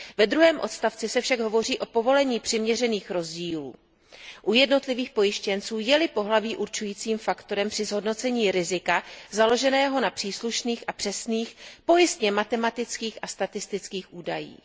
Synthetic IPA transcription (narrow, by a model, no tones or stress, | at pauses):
vɛd̪ɾuɦɛːmʔo̞t̪st̪aft͡sɪsɛfʃaɡɦo̞vo̞riːʔo̞po̞vo̞lɛɲiːpr̥ɪmɲɛrɛniːxɾo̞zɟiːlṵː | ʔujɛdno̞t̪lɪviːxpo̞jɪʃcɛnt͡suːjɛlɪpo̞ɦlaviːʔuɾt͡ʃujiːt͡siːmfakt̪o̞ɾɛmpr̝̥ɪzɦo̞dno̞t͡sɛɲiːɾɪzɪkazalo̞ʒɛnɛːɦo̞napr̥iːsluʃniːxʔapr̥ɛsniːxpo̞jɪst̪ɲɛmat̪ɛmat̪ɪt͡skiːxʔast̪at̪ɪst̪ɪt͡skiːxʔuːdajḭː